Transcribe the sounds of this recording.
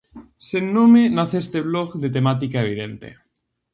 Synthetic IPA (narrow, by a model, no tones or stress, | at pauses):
senːomenaθest̪eβloɣd̪et̪emat̪̬ikaeβ̞iðent̪ḛ